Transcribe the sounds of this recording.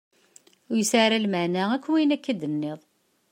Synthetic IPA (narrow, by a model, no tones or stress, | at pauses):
ʊjəsaɾælməʕnæækʷːwinækːæd̪ənːɪðˤ